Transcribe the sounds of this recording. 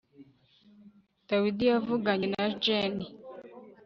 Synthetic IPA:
d̥awidijavuɡaɲenad͡ʒeni

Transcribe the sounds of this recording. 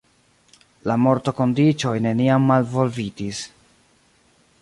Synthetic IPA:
lamo̞ɾto̞ko̞ndit͡ʃo̞jne̞niamːalvo̞lvitis

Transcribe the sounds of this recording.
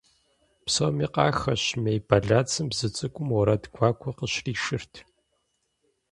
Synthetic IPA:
psowmiːqɑːxɐɕmejbʰaɮaːt͡sʰɨmbzɨt͡sʼɨkʷʼʊmwɔɾɐdɡʷaːkʷʰɔqəɕriːʃɪrtʰ

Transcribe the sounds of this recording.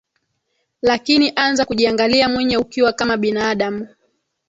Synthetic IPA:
lakiniʔanzakuʄiaŋɡaliamwɛɲɛukiwakamaɓinaːɗamu

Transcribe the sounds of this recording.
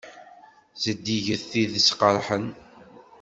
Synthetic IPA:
zəd̪ːiʝəθiðəsqəɾˤħən

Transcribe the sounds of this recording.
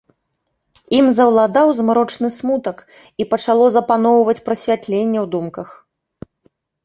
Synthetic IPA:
imzɐwlˠad̪awzmɾɔt͡ʂnɨsmut̪ɐk | ipɐt͡ʂalˠɔzɐpanɔwvɐt͡sʲpɾɐsʲvʲat̪lʲenʲːɛwd̪umkɐx

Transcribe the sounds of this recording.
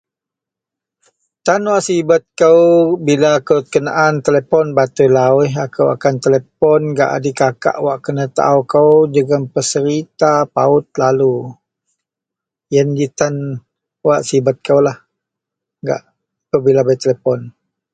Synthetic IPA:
t̪anwaʔsibat̪̚kəwbilakəwt̪ə̥kənaʔant̪əlepɔnbat̪ulawiɦakəwa̰kant̪əlep̚ɔnɡa̰ʔa̰dikaka̰ʔwaʔkənət̪a̰wkəwd͡ʒəɡəmpəsəɾit̪apaʊt̪̚lalu | jəndit̪an | waʔsibat̪̚kəwlah | ŋɡa̰ʔ | pəbilabajt̪əlepɔn

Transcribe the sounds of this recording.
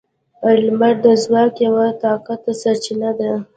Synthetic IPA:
almaɾd̪əzwɑkjawat̪ɑkat̪̚asaɾt͡ʃinad̪a

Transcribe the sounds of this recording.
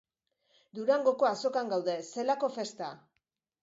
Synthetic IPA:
d̪uɾaŋɡo̞ko̞aso̞kaŋɡawðe̞se̞lako̞fe̞st̪a

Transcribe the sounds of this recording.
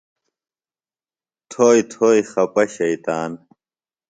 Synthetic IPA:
t̪ʰoːjt̪ʰoːjixɐpɐɕɐjt̪aːn

